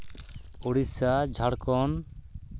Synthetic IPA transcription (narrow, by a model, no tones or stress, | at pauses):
oɽisad͡ʒʱaɽkɔn